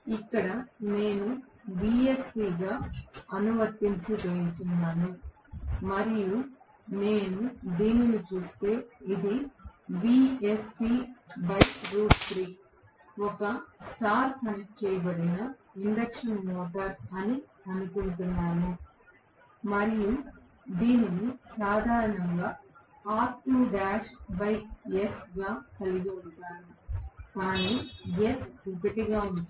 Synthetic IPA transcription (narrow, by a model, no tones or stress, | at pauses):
ikːɐɽɐne̞ːnu | biːespiːɡaːɐnuʋɐɾt̪iɲt͡ʃud͡ʒeːjnt̪unːaːnu | mɐɾiju | ne̞ːnud̪iːninit͡ʃuːst̪e̞ːid̪ibiespibɐjsɾuːʈtɾik | ɔkɐsaːɾpɐnit͡ʃɛːjɐbɐɽinɐiɳɖɐkʂɐnnɔːʈɐɾɐni | ɐnukuɳt̪unːaːnu | mɐɾiju | d̪iːninisaːd̪ʱaːɾɐɳɐŋɡaːaːɾʈuːɖaːʃbɐjkesɡaːk̪ɐliɡiuɽt̪aːnukaːniːjesukɐʈiɡaː